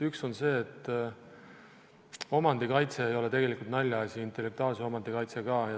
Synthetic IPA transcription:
ykso̞nse̞ːt̪ːˑ | o̞mɑnd̪ikɑjt̪se̞ːjo̞le̞t̪e̞ɡe̞likult̪nɑlʲːjɑɑsʲiint̪ˑe̞lːe̞k̚t̪uɑːlse̞o̞mɑnd̪̥ikɑjt̪se̞ɡɑːjɑ

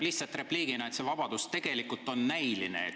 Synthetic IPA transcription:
liht̪sɑt̪re̞pliːɡ̥inɑe̞t̪se̞vɑb̥ɑd̪̥ust̪e̞ɡ̥e̞likːult̪ːˑo̞nːæjlinḛet̪

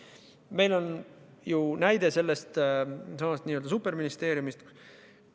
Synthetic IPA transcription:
me̞jlo̞n | junæjd̪̥e̞se̞lːe̞st̪sɑmɑst̪niːø̞ld̪ɑsupːˑe̞rminist̪e̞ːɾjumist̪

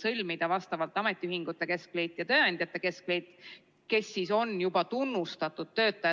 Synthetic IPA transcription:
sɤlʲmid̪̥ɑvɑst̪ɑvɑlt̪ːˑɑme̞t̪ʲːˑiyɦiŋɡ̥ut̪ːˑe̞ke̞skle̞jt̪ːˑjɑt̪ø̞ːɑnʲd̪̥jɑt̪ːˑe̞ke̞skle̞jd̪̥ | ke̞sːiso̞njub̥ɑt̪unːust̪ɑt̪ːˑud̪̥̚t̪ːø̞ːt̪ːˑɑjɑ

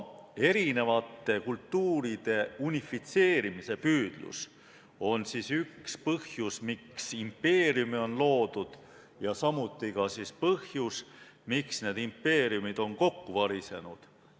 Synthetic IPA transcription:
e̞ɾine̞vɑt̪ːe̞kult̪ːuːɾid̪̥e̞unifːit̪se̞ːɾimise̞pyːd̪̥lṵs | o̞nsiːsykspɤhjusmiksimpːe̞ːɾjumio̞nlo̞ːd̪̥ud̪̥ | jɑsɑmut̪ːˑikɑsispɤhjusmiksne̞ːd̪impːe̞ːɾijumid̪̥o̞nko̞kːuvɑɾise̞̰nud̪̥

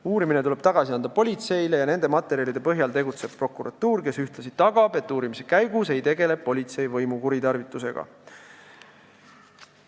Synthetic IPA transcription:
uːɾimine̞t̪uleb̥̚t̪ɑɡ̥ɑsiɑnd̪̥ɑpo̞lʲit̪se̞jle̞jɑne̞nd̪e̞mɑt̪ːˑe̞ɾiɑlid̪e̞pɤɦjɑlt̪e̞ɡut̪se̞b̥̚pro̞kːˑuɾʔɑt̪ːuːrke̞syht̪lɑsid̪̥t̪ːɑɡ̥ɑbe̞t̪ːˑuːɾimise̞kæjɡuse̞jt̪e̞ɡe̞le̞b̥̚ːo̞lʲit̪se̞jvɤjmukuɾit̪ɑrvit̪ːˑuse̞̰ɡ̥ɑ̰

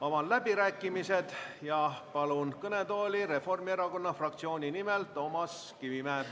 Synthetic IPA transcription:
o̞mɑlæb̥iɾæːkːˑimise̞d̪̥jɑpɑlunkɤne̞t̪o̞ːlʲiɾe̞fo̞rmieɾɑko̞nːɑfrɑk̚t̪sio̞ːnʲinimelt̪o̞ːmɑs | kivimæː

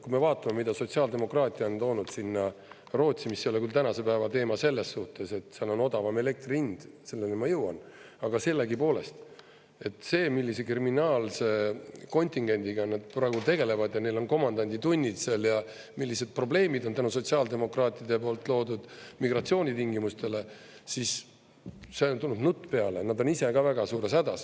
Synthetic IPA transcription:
kume̞vɑːt̪ːˑɑme̞mid̪ɑso̞t̪siɑːld̪e̞mo̞krɑːt̪ʲːˑiɑo̞nt̪o̞ːnud̪̥sinːɑ | ro̞ːt̪simisːeo̞lekylt̪ænɑse̞pæevɑt̪e̞ːmɑse̞lːe̞sːuht̪ˑe̞se̞t̪seɑlo̞no̞d̪ɑvɑme̞le̞k̚t̪rind̪̥se̞lːe̞lemɑjɤwɑ̰n | ɑɡ̥ɑse̞lːeɡipo̞ːle̞st̪ | e̞t̪ˑse̞ːmilːise̞kriminɑːlse̞ko̞nʲt̪ˑiŋɡ̥e̞nʲd̪iɡ̥ɑnɑd̪̥̚prɑːeɡ̥ut̪e̞ɡe̞le̞vɑd̪jɑne̞jlo̞nko̞mɑnd̪ɑnʲd̪̥it̪unʲːit̪seljɑ | milːise̞d̪̥̚pro̞ble̞ːmid̪ont̪ænuso̞t̪ʲsiɑld̪e̞mo̞krɑːt̪ːˑid̪̥epo̞ːlt̪ːˑlo̞ːd̪ud̪̥miɡ̥rɑt̪sio̞ːnʲit̪iŋɡimust̪e̞le̞ | sis | se̞ont̪unːud̪nut̪ːˑpe̞ɑle̞nɑd̪o̞nise̞ɡɑvæɡ̥ɑsuːɾe̞sæd̪̥ɑs

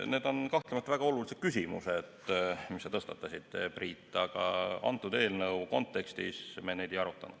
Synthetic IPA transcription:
ne̞ːd̪̥o̞nkɑht̪lemɑt̪ːvæɡ̥ɑo̞lulised̪̥kysʲimused̪̥misːɑt̪ɤst̪ɑt̪ːɑsid̪̥epriːt̪ːˑɑɡ̥ɑ̰ɑ̰nt̪ːˑud̪e̞ːlnɤwko̞nt̪ːe̞kst̪ḭsmened̪ejɑɾut̪ːˑɑ̰nud̪̥

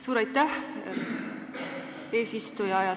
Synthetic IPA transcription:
suːɾɑjt̪ːˑæh | e̞ːsist̪ujɑɑjɑ

